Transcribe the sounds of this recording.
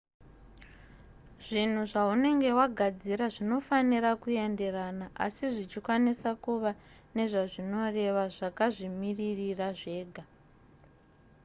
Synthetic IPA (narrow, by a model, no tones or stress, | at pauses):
ʐ̥in̤uʐaune̞ŋɡe̞waɡʱad͡ziɾaʐino̞faniɾakue̞nde̞ranaʔa̰siʐit͡ʃikwanisakuʋane̞ʐaʐino̞re̞ʋaʐakaʐimiririraʐe̞ːɡʱa